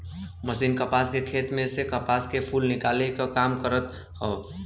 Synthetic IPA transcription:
məsiːnkəpaskekʰeːt̪mẽsekəpaːskepʰulnɪkaːlekakaːmkəɾət̪ | ɦəː

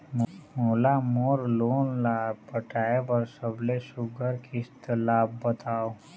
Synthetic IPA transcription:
mmolamoːɾloːnlaːbpəʈaːepəɾsəblesʊɡəɾkʰist̪əlaːbːət̪ʰaːo

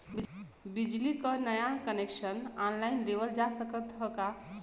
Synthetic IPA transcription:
bi | bid͡ʒlikənəjakənekʃənanlajnd̪ebəld͡ʒasəkət̪ɦəka

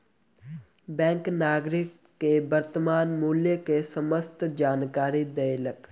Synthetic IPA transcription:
bɛ̃ːŋknaːɡɾɪk̚ | kebəɾt̪əmaːnmuːljəkesəməst̪ʰd͡ʒaːnkaːɾid̪eɪlək

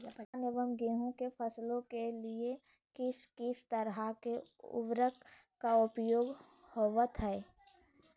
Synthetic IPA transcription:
pnɪʋəmɡiɦuõkepʰəslõkelie | kɪskɪst̪əɾɦakeʊ̰ʋɾək | kaʊpjoːɡ | hoʋət̪ɦɛː

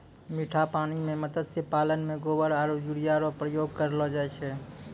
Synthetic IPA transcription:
miʈʰapanimemət̪əd̪sepalənmeɡobəɾaɾod͡ʒuɽijaɾopɾəjoɡ̚kəɾlɔd͡ʒajt͡ʃʰɛ

